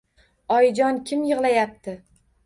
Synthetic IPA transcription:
ɒjd͡ʒɒnkʲʰɪmjɨʁlˠajap̚t̪ʰɪ

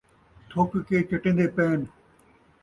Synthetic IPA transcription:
t̪ʰoːkikeːt͡ɕɐʈẽnd̪eːpeːn

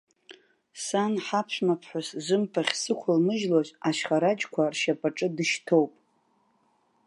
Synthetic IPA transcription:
sanħapʰʃʷᶣmapʰħʷʊszʷɨmpʰaχʲsɨkʷʰalmɨʒlaʒʷʼaʃχaɾad͡ʒkʷʰarʃapʼaʈ͡ʂʼɨdɨʃtʰowpʼ

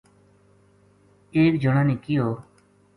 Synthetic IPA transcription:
eːk̚d͡ʒəɽ̃aːniːkɪjoː

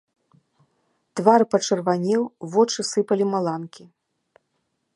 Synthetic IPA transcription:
t̪varpɐt͡ʂɐrvanʲɛwvɔt͡ʂɨsɨpɐlʲimalˠankʲi

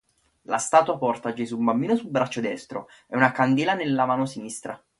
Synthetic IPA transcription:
last̪aːt̪wapɔrt̪ad͡ʒezubambiːnosulbɾat͡ʃːod̪ɛst̪ɾo | ɛunakand̪iːlanelːamaːnosinist̪ɾa

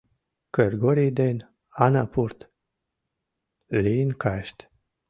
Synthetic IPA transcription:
kəɾɡoɾid̪en | anapuɾt̪ | linkʰajʃt̪

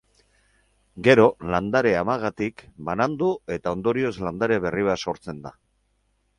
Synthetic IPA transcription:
ɡe̞ɾo̞land̪aɾe̞amaɣ̞at̪ikbanand̪ue̞t̪ao̞nd̪o̞ɾio̞zland̪aɾe̞βe̞riβaso̞ɾt͡se̞nd̪a

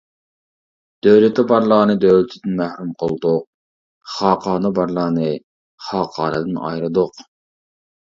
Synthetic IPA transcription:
d̪̥øwlɪt̪ːɪbɑɾlˠəʁnɨd̪øwlɪt̪ʰɪd̪ɪnmæhɾumqʰəlˠd̪ʊq̚ | χɑːqʰɑːnɨbɑɾlˠəʁnɨ | χɑːqʰɑːɾɨd̪ɨnɑ̰jɾɨd̪ʊq

